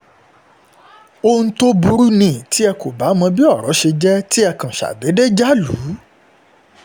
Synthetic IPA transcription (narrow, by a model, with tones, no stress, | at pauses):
o˧ñ̩˦to˦bu˧˦ɾu˦nĩ˦˨ti˦ɛ˧ko˨ba˨˦mɔ̃˧bi˦ɔ˦˨ɾɔ˨˦ʃe˧d͡ʒɛ˦ti˦ɛ˧kã˨ʃa̰˨be˨˦de˦d͡ʒa˦lu˨˦